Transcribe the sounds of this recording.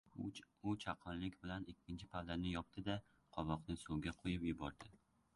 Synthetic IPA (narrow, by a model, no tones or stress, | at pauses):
ʊt͡ʃʰaqʰɒnlɪkʲbɪlanɪkʲʰːɪnt͡ʃʰɪpʰaːanɪjɒp̚t̪ʰɪd̪a | qʰɒvɒqnɪsʊwɡʲaqʰojɪpjɪbɒɾd̪ɪ